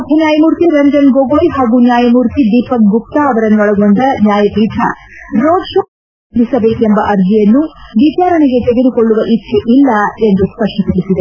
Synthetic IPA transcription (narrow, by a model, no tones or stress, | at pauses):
ɐbʱɐnjaːjɐmuːɾt̪iɾɐnd͡ʒɐnɡoɡoːjɦaːɡunjaːjɐmuːɾt̪id̪iːpɐk̚ɡup̚t̪aːʋɐɾɐnːuɐɭɐɡond̪ɐnjaːjɐpiːd̪ʱɐ̰ɾoːɖʂo | d̪isɐbeːk̪uembɐʔɐɾd͡ʒ̪ʱijɐnːuʋit͡ʃaːɾɐɳɛɡe̞t̪eɡe̞d̪ukoɭːuʋɐʔit̪ʃʰeʔilːɐe̞nd̪uspɐʂʈɐpɐɽisid̪e